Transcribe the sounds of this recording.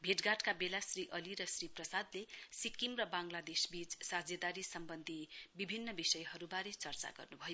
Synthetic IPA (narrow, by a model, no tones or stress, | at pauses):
bʱeʈɡaʈkabelasriʔʌliɾʌsriprʌsad̪lesikimrʌbãŋlad̪esbit͡ssad͡zjʌd̪aɾisʌmbʌnd̪ʱibibʱinːʌbisʌjɦʌɾubaɾet͡sʌrt͡sa̰ɡʌ̰rnubʱʌjo